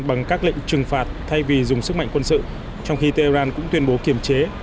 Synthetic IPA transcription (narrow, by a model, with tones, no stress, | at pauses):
ɓa˨˩ŋkaː˦˥k̚lḭ̈˧˨ŋ̟t͡ɕɨ˨˩ŋfaː˨˩t̚t̪ʰa˧jvi˨˩zʊ˨˩ŋ͡msɨ˦˥k̚ma̰˧˨jŋkwə˧nsɨ̰˧˨ | t͡ɕɔ˧wŋ͡mxi˧t̪e˧aː˧nkʊ̰˧˥ŋ͡mt̪wi˧ənɓo˨˦ki˧˩əmt͡ɕe˨˦